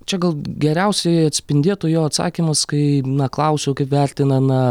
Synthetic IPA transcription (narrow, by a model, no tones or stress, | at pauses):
t͡ʃʲɛɡɐlˠɡʲɛɾʲɛʊsʲɛɪɐt̪ʲsʲpʲɪnʲd̪ʲeːt̪ʊjoːɐt̪sɑ̰ːkʲimɐskɐɪnɐklˠɐʊsʲoʊkɐɪpʋʲæɾʲt̪ʲɪnɐnɐ